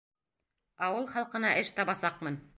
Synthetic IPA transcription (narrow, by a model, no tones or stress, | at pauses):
ɑwɤlˠχɑlˠqɤ̆nɑʔɘʃt̪ɑβɑsɑqmɤn